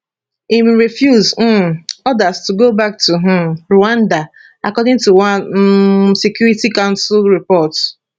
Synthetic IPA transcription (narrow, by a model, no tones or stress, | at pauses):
imɹifjuz̩ɔdastuɡobak̚tuɦɹoãnda | akɔdɪ̃ŋtuwa | sekjuɹitikãʊ̃nsʊlɹipɔt